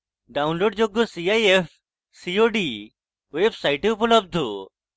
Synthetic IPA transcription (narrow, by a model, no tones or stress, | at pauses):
ɖaːʊ̃nloːɖ̚d͡ʑoɡosiaːief | sioɖi | ʋeːbsaːɪʈeʊpləb̚d̪ʱo